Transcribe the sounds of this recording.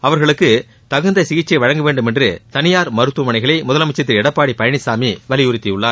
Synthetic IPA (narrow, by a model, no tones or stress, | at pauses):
ɐʋɐɾɣɐɭɯkːɯ | t̪ɐɣɯnd̪ɐɪsɪɣɪt͡ʃːɐɪʋɐɻɐŋɡɐʋeːɳɖɯmɛndrɯt̪ɐnɪjaːɾmɐɾɯt̪ːumɐnɐɪɣɐɭɐɪmʊðɐlɐmɪt͡ʃːɐt̪̬ːɪɾɛɽɐpːaːɽipɐjɐɳɪsaːmiʋɐlɪjʊɾɪt̪ːijɯɭːaː